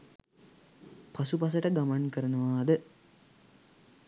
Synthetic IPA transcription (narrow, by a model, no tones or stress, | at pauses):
pasupas̬əʈəɡamankəɾənəʋaːd̪ə